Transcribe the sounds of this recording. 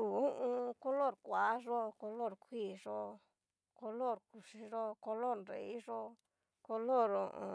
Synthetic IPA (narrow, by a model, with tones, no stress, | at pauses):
u˨ũ˦ʔũ˧ko˧lo˦˨ɾkʷa˨˦ʐo˦ko˧lo˦˨ɾkʷʰi˦˨ʐo˦ | ko˧lo˦˨ɾku˨ʂi˧ʐo˦ko˧lo˦ɾnɾḛ˨i˦ʐo˦ | ko˧lo˦˨ɾõ̰˨õ̰˧